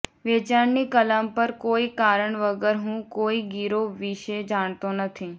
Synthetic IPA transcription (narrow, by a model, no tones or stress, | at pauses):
ʋeːt͡ʃaːɾnikələmpəɾkoːiːkaːɾəɳʋəɡəɾɦũːkoːiːɡiːɾoːʋɪʃed͡ʒaːɳt̪oːnət̪ʰĩː